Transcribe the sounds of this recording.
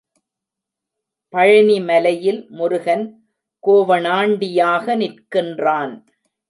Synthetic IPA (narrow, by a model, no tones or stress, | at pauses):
pɐɻɐnimɐlɐjɪlmʊɾʊɣɐn | koːʋɐnaːɳɖɪjaːɣɐnɪrkɪndraːn